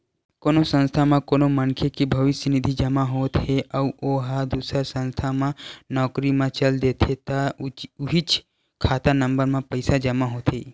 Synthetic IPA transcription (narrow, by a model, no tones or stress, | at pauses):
konosə̃nst̪ʰamãkonomənkʰekibʱəʋɪsjənid̪ʱid͡ʒəmãɦot̪ɦeʔəuʔoɦad̪usəɾsə̃nst̪ʰamãnɔːkɾimãt͡ʃəld̪et̪ʰet̪auɦit͡ʃ | kʰaːt̪anəmbəɾmãpəjsad͡ʒəmãɦot̪ɦe